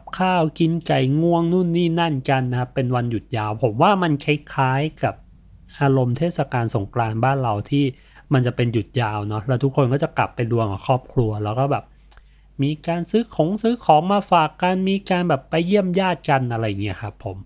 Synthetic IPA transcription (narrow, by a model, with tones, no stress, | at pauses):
p̚kʰaː˥˩wki˧nka˨˩jŋu˧˥˩əŋnu˥˩nːiː˥˩na˥˩nka˧nːa˦˥kʰa˦˥pːe˧nwa˧nju˨˩t̪̚jaː˧wpʰo˩˦mwaː˥˩ma˧nkʰa˦˥jkʰaː˦˥jka˨˩p̚ | ʔaː˧ɾo˧mt̪ʰeː˥˩t̪sa˧kaː˧nso˩˦ŋklaː˧nbaː˥˩nɾa˧wt̪ʰiː˥˩ | ma˧nt͡ɕa˨˩pe˧nju˨˩t̪̚jaː˧wnɔ˦˥lɛː˦˥wt̪ʰu˦˥kʰːo˧nkɔː˥˩t͡ɕa˨˩kla˨˩pːa˧jdu˧əŋa˨˩kʰɔː˥˩p̚kʰlu˧ɐlɛː˦˥wkɔː˥˩bɛː˨˩p̚ | miː˧kaː˧nsɯː˦˥kʰo˩˦ŋsɯː˦˥kʰɔː˩˦ŋmaː˧faː˨˩kːa˧nmiː˧kaː˧nbɛː˨˩pːa˧jːi˥˩əmjaː˥˩t̪̚ka˧nʔa˧ɾa˧jːa˨˩ŋi˦˥ɐkʰa˦˥pʰːo˩˦m